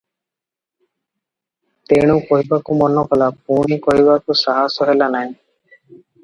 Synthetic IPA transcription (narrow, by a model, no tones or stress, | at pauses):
t̪eɽ̃ũkɔɦibakumɔnɔkɔlap̚uɳ̃ikɔɦibakusaɦasɔɦelanaĩ